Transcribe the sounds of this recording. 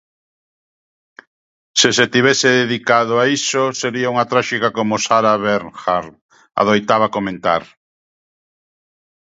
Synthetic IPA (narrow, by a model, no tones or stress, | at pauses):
seset̪iβeseðeðikaðʊaisoseɾiauŋat̪ɾaʃikakomʊsaɾaβeɾxaɾ | a̰ðojt̪aβ̞akomẽnt̪a̰ɾ